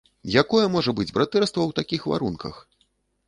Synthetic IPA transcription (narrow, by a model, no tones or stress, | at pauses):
jakɔjɛmɔʐɐbɨd͡zʲbɾat̪ɛrst̪vɐwt̪akʲixva̰ɾunkɐ̰x